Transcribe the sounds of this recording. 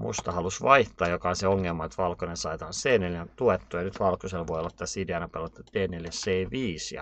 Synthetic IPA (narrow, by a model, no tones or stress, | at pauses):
mṵst̪ɑhɑlusʋɑiht̪ɑːjokɑonseoŋːelmɑet̪ʋɑlkonensɑit̪ɑnseːneljæt̪uet̪ːojɑnyt̪ʋɑlkoselʋoijlːɑt̪ːæsiːdeɑnɑpelːɑt̪ːɑd̪eːneljæseːʋiːsjɑ̰